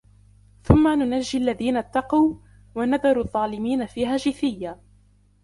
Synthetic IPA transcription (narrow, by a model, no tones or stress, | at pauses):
θʊmːanʊnaʒːɪalːaðiːnat̪ːɑquw | wanaðɑɾˤuðˤːɑːlɪmiːnafiːɦaːʒɪθɪjːaː